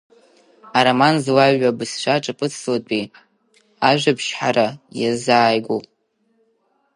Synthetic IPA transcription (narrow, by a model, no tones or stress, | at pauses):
aɾamanzwaɥabɨsʃʷaʈ͡ʂʼɨpʼɨt͡sʰlat͡pʷʼi | aʒᶣʷapʰʃħaɾajazaːjɡʷo